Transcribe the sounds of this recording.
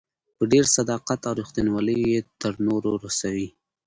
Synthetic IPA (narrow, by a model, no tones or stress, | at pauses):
pəɖeɾsad̪ɑqat̪aɾixt̪ənwɑləjjet̪əɾnoɾoɾasawi